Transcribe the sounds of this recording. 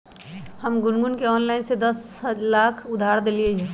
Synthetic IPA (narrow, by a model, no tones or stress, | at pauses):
həmɡʊnɡʊnkeɔːnlaɪnsed̪ɐs | laːkʰʊd̪ʱaːɾd̪elieɦɛ